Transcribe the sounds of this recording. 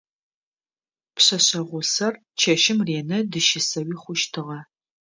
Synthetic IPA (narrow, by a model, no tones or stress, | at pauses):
pɕɐɕɐʁʷʊsɐr | t͡ʃʰɐʃɪmreːnɐdɨʃɪsɐwiːχʷʊʃtʰɨʁɐ